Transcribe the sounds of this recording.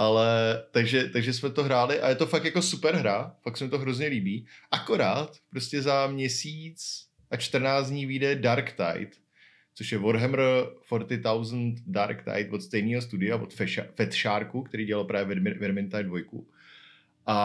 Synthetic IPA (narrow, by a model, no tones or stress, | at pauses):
ʔalɛt̪aɡʒɛt̪aɡʒɛs̬mɛt̪oɦɾaːlɪʔa̰jɛt̪o̞fakjako̞supɛɾɦɾafaksɛmɪt̪oɦɾo̞zɲɛliːbiːʔako̞ɾaːt̪pɾo̞scɛzamɲɛsiːt͡s | ʔat͡ʃt̪r̩naːt͡sɲiːviːdɛdaɾkt̪a̰jt̪ | t͡so̞ʃjɛvoɾɦɛmɾfoɾt̪ɪt̪awzn̩t̪daɾkt̪a̰jt̪vo̞t̪st̪ɛjniːɦo̞s̬t̪udɪavo̰t̪fɛʃafɛt̪ʃaːɾkukt̪ɛɾiːɟɛlalpɾaːvjɛvɛɪvɛɾmɪnt̪ajdvo̞jkṵ | ʔa